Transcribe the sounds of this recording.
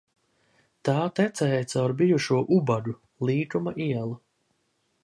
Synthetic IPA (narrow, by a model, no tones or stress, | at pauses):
t̪aːt̪ɛt̪sɛjt̪sawɾbijuʃuɔʔubadu | lˠiːkumaʔiɛlˠa